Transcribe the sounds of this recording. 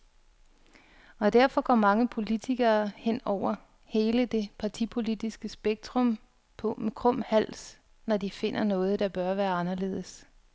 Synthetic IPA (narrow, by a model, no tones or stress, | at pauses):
ɒ̽d̥æɐ̰fɒ̽ɡ̥ɒmɑ̈ŋəpʰo̝lit͡sʰiɡ̥ɐːhen̰ɒʊ̰ɐ | he̝ːləd̥e̝pʰɑ̈t͡sʰipʰo̝lid̥isɡ̥əsb̥eɡ̥̚d̥ʁɔm | pʰɒ̽kʰʁɔ̽m̰hæl̰s | nɒd̥ife̝n̰ɐnɔ̽ːð̞̩ˠd̥ɑ̈b̥ɶɐʋæːɐɑ̈nɐle̝̰ːð̞ˠəs